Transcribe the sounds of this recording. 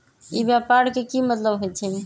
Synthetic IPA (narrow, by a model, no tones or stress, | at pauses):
ibjapaɽkekimət̪ləbɦojt͡ʃʰɛm